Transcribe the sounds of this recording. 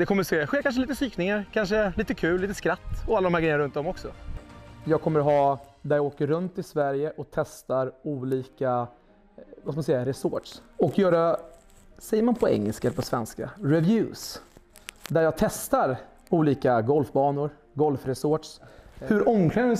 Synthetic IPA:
d̪ɛkʰɔmːəɾseːɧeːɾkʰanʂəliːt̪əsyːknɪŋaɾkʰanʂəliːt̪əkʰʉ̟ːliːt̪əskɾat̪ːɔalːd̪ɔmhæɾɡɾɛjənaɾɵnd̪ɔmɔksɔ | jɑːɡ̚kʰɔmːəɾɦɑːd̪æɾjɑɡoːkəɾːɵnt̪ːɪlsvæɾjəʔɔk̚t̪ʰɛst̪aɾuːliːka | vaskamnsɛjːaɾɛsɔʈʂɔkjœːɾa | sɛjːəɾmanpʰɔɛ̰ŋːɛ̰lskapʰɔsvɛnska̰ɾɛvjʉ̟ːs | d̪æɾjɑːɡt̪ʰɛst̪aɾ | uːliːkaɡɔlfbɑːnʊɾ | ɡɔlfɾɛsɔʈʂhɵɾɔŋkʰlɛn

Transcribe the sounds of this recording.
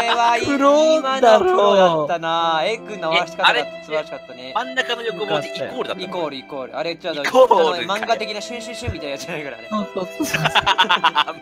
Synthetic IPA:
ɾeβaiɯɾomanaoːdat̪ːanaekɯ̃nːaβɕi̥kat̪ːɾeat̪ːasɨbaɾɕi̥kat̪ːanemãnːakanojokɯmoikoːɾɯ̟d̪aikoːɾɯ̟ikoːɾɯ̟̰aɾet͡ɕad̪omãŋɡat̪e̞kʲinaɕɨ̃ɰ̃ɕĩɕɨmʲit̪aiad͡ʑanaiɡɯ̟ɾa̰j̰soːso

